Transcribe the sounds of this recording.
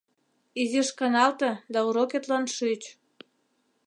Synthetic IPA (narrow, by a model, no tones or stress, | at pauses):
iziʃkɑnɑlt̪ɤ̆d̪ɑuɾoket̪lɑnʃyt͡ɕ